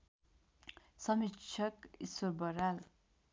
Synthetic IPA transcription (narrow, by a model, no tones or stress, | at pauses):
sʌmit͡ʃʰʌkisorbʌɾal